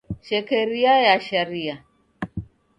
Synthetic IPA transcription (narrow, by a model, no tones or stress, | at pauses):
ʃɛkɛɾiajaʃaɾia